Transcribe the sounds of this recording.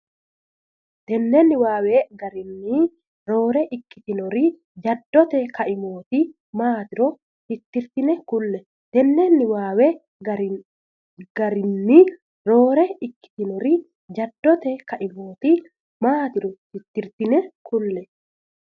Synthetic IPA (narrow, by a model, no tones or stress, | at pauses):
d̪̥ɛnːenːɪwaːweɡɐɾɪnːi | ɾo̞ːɾɛʔɪkːɪ̥t̪ɪnɔɾi | d͡ʒɐd̪ːɔt̪ɛkɐʔɪmoːt̪i | maːt̪ɪɾɔ | hɪt̪ːɪɾt̪ɪnɛkʊlːɛ | d̪̥ɛnːeːnːɪwaːwɛ | ɡ̥ɐɾɪnːi | ɾo̞ːɾɛɪkːɪ̥t̪ɪnɔɾɪ | d͡ʒɐd̪ːɔt̪ɛkɐʔɪmoːt̪i | maːt̪ɪɾɔhɪt̪ːɪɾt̪ɪnɛkʰʊlːɛ